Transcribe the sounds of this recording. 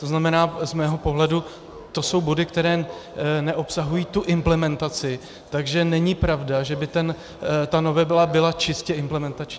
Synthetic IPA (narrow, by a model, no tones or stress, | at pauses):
t̪o̞znamɛnaːzmɛːɦo̞po̞ɦlɛdu | t̪o̞so̞wbo̞dɪkt̪ɛɾɛːnɛʔo̞psaɦujiːt̪uʔɪmplɛmɛnt̪at͡sɪ | t̪aɡʒɛnɛɲɪpɾavdaʒɛbɪt̪ɛn | t̪ano̞vɛbɪlabɪlat͡ʃɪscɛɪmplɛmɛnt̪at͡ʃɲiː